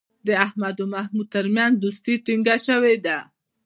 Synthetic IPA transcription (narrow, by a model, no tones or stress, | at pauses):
d̪əahmad̪omahmud̪̚t̪əɾmjanzd̪ust̪iʈiŋɡaʃəwed̪a